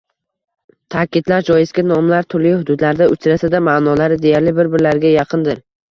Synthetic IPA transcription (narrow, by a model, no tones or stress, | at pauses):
t̪ʰakʲɪd̪laɾd͡ʒɒjɪsɡʲanɒmlaɾt̪ʰʊɾlɪhʊd̪ʊd̪laɾd̪aʊt͡ʃʰɾasad̪amaːnɒlaɾɪd̪e̞jaɾlɪbɪɾbɪɾlaɾɡʲajɑqʰɨnd̪ɪɾ